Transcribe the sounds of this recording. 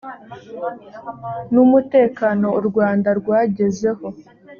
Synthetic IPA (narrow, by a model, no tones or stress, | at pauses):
numute̞ːkano̞ɾɡwaːndaɾɡwaːɟe̞ze̞ho̞